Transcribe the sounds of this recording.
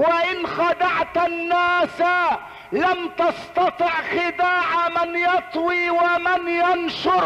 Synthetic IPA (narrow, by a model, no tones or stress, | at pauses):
waʔɪnxad̪aʕt̪anːaːsa | lamt̪ɑst̪ɑt̪ˤɨʕxɪd̪aːʕamɪnjɑt̪ˤwiːwamɪnjanʃʊɾ